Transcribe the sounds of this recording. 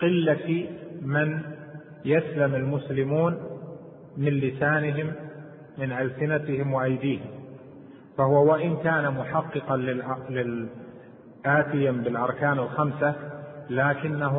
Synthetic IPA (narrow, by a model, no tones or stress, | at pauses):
qɪlːafimɪn | jaslamalmʊslɪmuːn | mɪnlɪsaːnɪɦɪmː | ɪnʔalsɪnat̪ɪhɪmwɪʔajd̪iːhɪm | fahʊwawaʔɪnkaːnamʊħɑqːɨqɑlɪlɪl | ʔaːt̪ɪjambɪlʔɑɾˤkaːnalxamsalaːkɪnːaɦ